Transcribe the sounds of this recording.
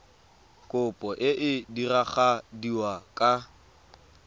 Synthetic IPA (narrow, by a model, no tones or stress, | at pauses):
kʼʊpʼɔʔɪʔɪdiraχadiwakʼa